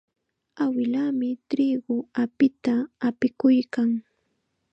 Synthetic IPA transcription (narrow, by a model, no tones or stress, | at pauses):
awɪlaːmɪt̪ɾiːɢʊapɪt̪aːpɪkʊjkaŋ